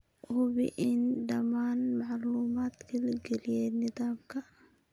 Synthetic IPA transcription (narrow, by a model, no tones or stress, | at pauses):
hʊβɪ̰ʔɪnɖɐmaːnmɑʕluːmaːd̪kʰɐlɡɛlɪjɛːnɪðaːmkʰɐ